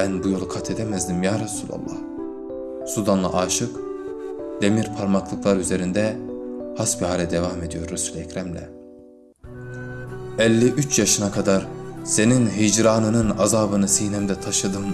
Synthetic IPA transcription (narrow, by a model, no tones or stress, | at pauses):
bænbujo̞lˠkʰat̪ʰed̪emæzd̪imjaːɾasuːlʲa̰lˠːɑ̰h | sud̪anlˠa̰ʔaːʃɯk | d̪̥emiɾpʰaɾmaklˠɯklˠaɾyze̞ɾind̪ɛhasbihaːlʲɛd̪evaːme̞d̪ijo̞ɾɾesylʲɛcɾæmlʲɛ̰ | ɛlʲːiʔyt͡ʃjaʃɯnakʰad̪aɾse̞ninɦid͡ʒɾaːnɯnɯnazaːbɯnɯsihnɛmd̪ɛt̪ʰaʃɯd̪ɯm